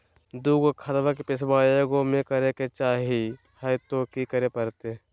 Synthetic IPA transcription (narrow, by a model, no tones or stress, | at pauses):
d̪uːɡokʰɐɾʋak̬epɪsbaːjəɡomẽkɐɾeket͡ʃaːɦi | hɐjt̪okikəɾepɐɾt̪e